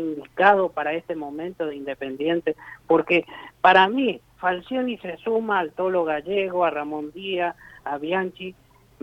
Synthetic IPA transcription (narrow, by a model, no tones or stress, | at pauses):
ind̪ikað̞opaɾaest̪emõ̞mẽnt̪oðeind̪epe̞nd̪je̞nt̪epoɾkepaɾami | falsjonisesumaːlt̪olo̞ɣaʒeɣoaramõ̞nd̪iaːβjant͡ʃi